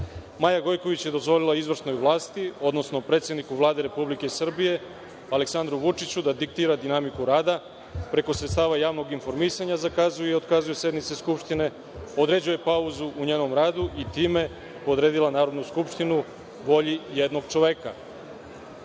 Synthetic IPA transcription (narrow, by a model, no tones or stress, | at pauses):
maːjaɡo̞jko̞ʋit͡ɕjed̪o̞zʋo̞lilˠaizʋr̩sno̞jʋlˠaːst̪io̞d̪no̞sno̞pɾe̞t̪sjed̪nikuʋlˠaːd̪e̞ɾe̞publike̞sr̩bije̞ | aleksand̪ɾuʋut͡ʂit͡ɕud̪ad̪ik̚t̪iːɾad̪inamikuɾaːd̪a | pɾe̞ko̞sɾet̪st̪aːʋajaːʋno̞ɡinfo̞ɾmisaɲazakazujeio̞d̪kazuje̞sje̞d̪nit̪se̞skupʃt̪ine̞ | o̞d̪ɾe̞d͡ʑuje̞pauzuʔuɲeːno̞mɾaːd̪uʔit̪iːme̞ | pod̪ɾeːd̪ilanaːɾo̞d̪nuskupʃt̪inu | ʋo̞ʎijed̪no̞ɡt͡ʃo̞ʋe̞ːka̰